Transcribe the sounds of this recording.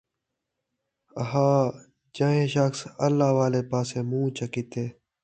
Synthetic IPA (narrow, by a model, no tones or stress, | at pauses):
ɦaː | d͡ʒaːɦẽːʃəksəlːaːʋaːleːpaːsẽːmũːt͡ʃəkit̪eː